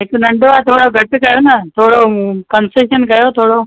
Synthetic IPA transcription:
ek̪unɐɳɖoʋat̪ʰoːɽoɡʱɐʈikɐjonat̪ʰoːɽokɐnseʃənkɐjot̪ʰoːɽo

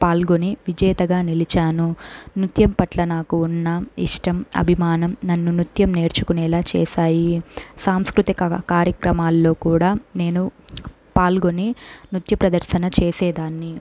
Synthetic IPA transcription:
paːlɡo̞niʋid͡ʒɛjt̪ɐɡaːnilit͡ʃaːnunit̪jɐmpɐʈlɐnaːkuːnːɐiʂʈɐmɐ̰bʱimaːnɐmnɐnːunit̪jɐmne̞ːɾt͡ʃu̥kunɛːlaːt͡ʃɛ̰ːsaːjisaːmskɾut̪ikɐkaːɾjɐkɾɐmaːlːo̞ːkuːɽaːne̞ːnu | paːlɡo̞ninut̪jɐpɾɐd̪ɐɾʃɐnɐt͡ʃeːsɛːd̪aːnːi

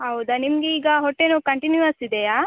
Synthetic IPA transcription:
ɦɐwd̪ɐnimɡeiːɡɐɦɔʈːenuːkɐɳʈinjuɐsid̪ejaː

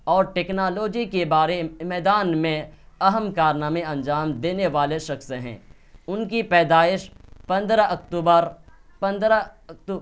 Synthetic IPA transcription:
ɔːɾʈeːknaːloːd͡ʒikebaːɾemɛːd̪aːnmẽɐɦəmkaːɾnaːmẽɐ̃nd͡ʒaːmd̪eːneʋaːleʃɐxsɦɛ̰̃ː | ʊnkipɛːd̪aːɪʃpɐ̃nd̪ɾaʔɐkt̪uːbəɾ | pɐ̃nd̪ɾakt̪u

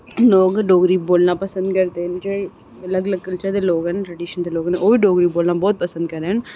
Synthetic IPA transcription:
loːɡɖoːɡɾiːboːlnãːpɐsɐ̃nd̪kɐɾt̪eːnd͡ʒɐ | ɐlɐɡɐlɐɡ̚kɐlt͡ʃɐɾd̪ɐloːɡɐnʈɾɐɖiʃɐnt̪ɐloːɡɐnʔoːʋiɖoːɡɾiːboːlnãːboːt̪̚pɐsɐ̃nd̪kɐɾẽːn

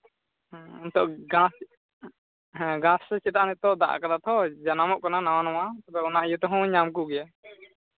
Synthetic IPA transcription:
ɔnt̪ɔʔɡãs | ɦɛ̃ɡãsːɛt͡ʃit̪aʔnɛt̪ɔʔd̪a̰ʔkad̪at̪ʰɔd͡ʒanamɔʔkananawanɔwat̪apɛɔnaʔjut̪ɔɦɔ̃wɲamk̬uɡɛja

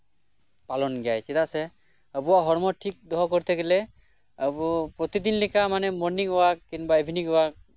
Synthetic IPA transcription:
palɔnɡjajsɛt̪asɛ | əbuwaɦɔɹmɔʈʰik̚d̪ɔɦɔkɔɾt̪ʰekɛlɛ | əbɔpɹɔt̪id̪inlikamanɛmɔnikɔwakkːinbaibʱinikɔwak̚

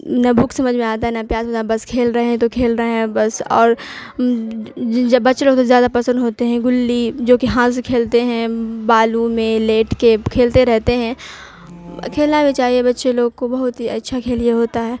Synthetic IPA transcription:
nɐbʱuksɐməd͡ʒʱmẽaːt̪̬aɦɛnɐpjaːsmẽabɐskʰeːlɾɐɦeɦɛ̃t̪okʰeːlɾɐɦeɦɛ̃bɐsɔ̰ːɾ | bɐtːʃeloːɡ̚t̪ozjaːd̪apɐsə̃nd̪ɦoːt̪eɦɛ̃ɡʊlːid͡ʒoːkiɦãːskʰeːlt̪eɦɛ̃baːlumẽleːʈkekʰeːlt̪eɾɛɦt̪eɦɛ̃ | kʰeːlnabʱit͡ʃaːɦiebɐtːʃeloːɡkobɐɦʊt̪ɦiɐtːʃʰakʰeːlijaɦoːt̪aɦɛː

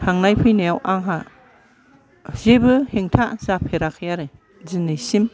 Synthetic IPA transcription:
haŋnajpʰɯjnajawʔaŋɦa | z̥ebɯheŋtʰaz̥apʰeɾakʰɯjaɾɯ | zɯnɯjsim

